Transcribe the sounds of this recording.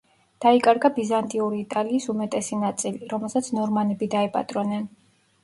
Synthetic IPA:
d̪̥aikʼaɾɡabizant̪ʼiuɾiːt̪ʼaliːsumɛt̪ʼɛsinat̪sʼiliɾɔmɛlˠsat̪sʰnɔɾmanɛbid̪aɛpʼa̰t̪ʼɾɔnɛn

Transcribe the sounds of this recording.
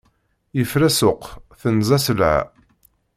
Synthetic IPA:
jəfɾæsʊqθənzæsəlʕa̰

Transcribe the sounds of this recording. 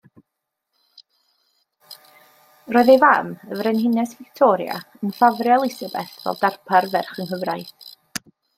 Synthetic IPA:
roːɨðevaməvrɛnhɪnɛsv̥ɪktʰɔːɾja̰ | ənfavrjalˠɪsabɛ̰θvɛ̰lˠdarpʰarvɛrχənkəvrajθ

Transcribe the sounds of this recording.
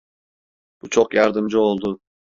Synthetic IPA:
b̥ut͡ʃʰoqjɑɾd̪ɯmd͡ʒɯo̞lˠd̪ʊ

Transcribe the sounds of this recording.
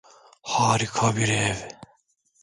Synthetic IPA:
haːɾikʰɑbiɾeːv

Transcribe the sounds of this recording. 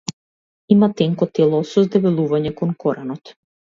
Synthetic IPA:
imat̪ɛŋkɔt̪ɛlˠɔsɔzd̪ɛvɛlˠuvaɲɛkɔnkʰɔɾanɔt̪

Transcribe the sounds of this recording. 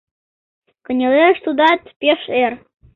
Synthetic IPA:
kə̆nʲeleʃt̪ud̪ɑt̪pʲeʃer

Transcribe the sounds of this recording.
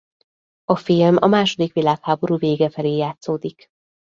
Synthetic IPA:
ɒfilmɒmaːʃo̞d̪ikʋilaːkhaːbo̞ɾuːveːɡɛfɛleːjaːt̪soːd̪ik

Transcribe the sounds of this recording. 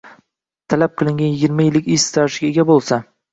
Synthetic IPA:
t̪ʰalap̚qʰɨlˠɪŋɡʲanjɪɡʲɪɾmajɪlːɪkʲɪst̪ʰaɾʃɪɡʲae̞ɡʲabolˠsa

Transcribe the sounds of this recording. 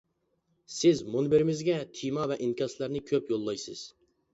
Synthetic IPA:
sɪzmunbɪɾɪmɪzɡʲɛt̪ʰijmɑvɛʔinkʲʰɑslæɾnɪkʲʰøpjolˠːɑjsɨ̰z̥

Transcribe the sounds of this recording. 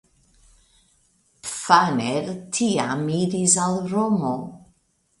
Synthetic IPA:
pfaneɾtʰiamiɾisalɾomo

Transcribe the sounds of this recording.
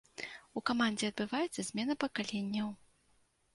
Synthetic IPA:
ukamand͡zʲɛɐd̪̚bɨvajɛt̪sɐzʲmʲɛnɐpɐkalʲenʲːɐw

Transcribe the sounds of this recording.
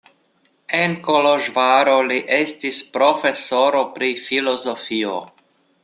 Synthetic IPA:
enkoloʒvaɾoliʔe̞stispɾo̞fe̞so̞ɾo̞pɾifilo̞zofio̰

